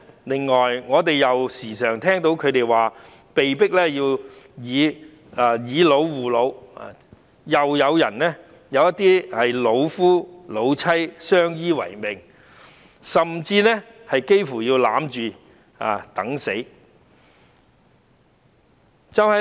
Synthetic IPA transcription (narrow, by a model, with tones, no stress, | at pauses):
lɪ˨˩ŋːɔː˨jŋɔː˨˧t̪e˨jjɐ˨wsiː˨˩sœː˨˩ŋt̪ʰɛː˥ŋt̪o˨˥wkʰɵ˨˧ɥt̪e˨jwaː˨˩ | pe˨jpɪ˥k̚lɛː˥jiː˧wjiː˨˧ | aː˨˧jiː˨˧lo˨˧wːuː˨˩lo˨˧wa̰˨ | jɐ˨wjɐ˨˧wjɐ˨˩nnɛː˥ | jɐ˨˧wjɐ˥t̪ːiː˥hɐ˨jlo˨˧wfuː˥lo˨˧wt͡sʰɐ˥jsœː˥ŋjiː˥wɐ̰˨˩jmɪ˨˩ŋ | sɐ˨mt͡siː˧nɛ˥hɐ˨jke˥jfuː˨˩jiː˧wlaː˨˥mt͡ʃyː˨ | a̰ː˨t̪ɐ˨˥ŋse˨˥j | t͡sɐ˨˧whɐ˨